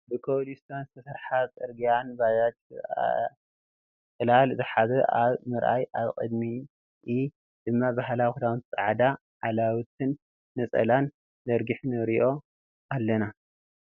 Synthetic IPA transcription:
bɨkʰolist̪ʰanst̪ʰɐsɐɾħat͡sʼɨɾɡijanbajat͡ʃ | kʼɨlalzɨħaβɨʔaβmɨɾʔa̰jaβkʼɨ̰d̪mi | ʔi | d̪̥ɨmːabaɦlawxud̪awɨnt͡sʼa̰ʕd̪a | ʕalawt̪̚ʰɨnː | ɐt͡sʼɐ̰lan | dɐɾɡɨħnɨɾiʔo̞ | ʔalːɐna

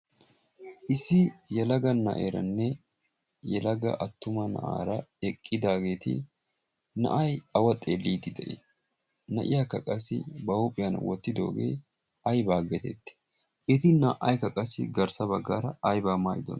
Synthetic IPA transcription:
ʔɪsːɪjɛlɐɡɐnːɐ̰ʔeːɾɐ̰nːɛ | jɛlɐɡɐ̰ʔɐt̪ːʊmɐnɐ̰ʔa̰ːɾɐɛkʼːɪd̪aːɡe̞ːt̪ɪ̰ | nɐ̰ʔɐjɐwɐt̪ʼeːlːiːt̪ːɪd̪ɛʔḛ | nɐʔɪjakːɐkʼɐsɪ̰bɐupʼɪjɐnwɔt̪ːɪd̪o̞̰ːɡḛː | ɐjbaːɡɛt̪ɛ̰t̪ːɪ̥ | ʔet̪ɪnɐʔɐjkɐkʼɐsɪ̰ɡɐɾsɐbɐɡːaːɾɐɐjbaːmaːʔɪd̪ɔ̰n

